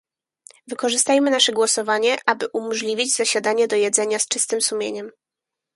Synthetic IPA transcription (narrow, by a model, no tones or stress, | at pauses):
vɘkɔʐɘst̪ajmɘnaʂɛɡwɔsɔvaɲɛʔabɘʔumɔʐlʲivʲid͡ʑzaɕad̪aɲɛd̪ɔjɛd̪zɛɲast͡ʂɘst̪ɘmsumʲjḛɲɛm